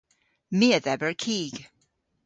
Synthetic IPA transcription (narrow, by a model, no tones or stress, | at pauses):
miəðɛbəɹkʰiɡ̥